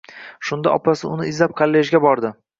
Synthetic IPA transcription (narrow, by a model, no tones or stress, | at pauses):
ʃʊnd̪a̰ʔɒpasɪʊnɪɪzlap̚qʰalːeʒɡʲabɒɾd̪ɪ